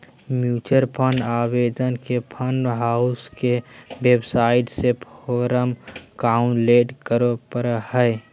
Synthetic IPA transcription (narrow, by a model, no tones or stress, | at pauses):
mjuːt͡ʃəɾpʰənɖaːbeːd̪ənkepʰənɖɦaʊskebebsaːɪʈsepʰoɡɾəmkaːʊ̃ɳɖleːʈkəɾopəɾhəɪ